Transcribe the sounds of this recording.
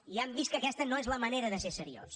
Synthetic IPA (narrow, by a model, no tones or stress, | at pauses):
iambiskəkɛst̪ənoezləməneɾəðəsesəɾio̰s